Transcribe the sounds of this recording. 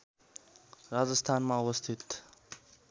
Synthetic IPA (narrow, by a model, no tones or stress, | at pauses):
ɾad͡zəst̪ʰanmauwʌst̪ʰit̪